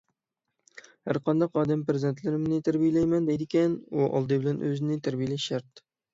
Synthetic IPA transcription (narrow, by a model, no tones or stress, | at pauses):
hæ̰ɾqʰɑnd̪ɑqɑːd̪ɛmpɾɪzd̪ent̪ʰlɪɾɪmnɪt̪ʰæɾbijelɛjmɛnd̪ɛjd̪ɪkʲɛnuʔɑ̰lˠd̪ɨbɪlɛnʔøzɪnɪt̪ʰæɾbijelɛʃæɾt̪